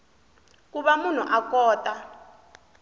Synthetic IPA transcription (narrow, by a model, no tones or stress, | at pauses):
k̬uɓamun̤uʔakɔːtʼa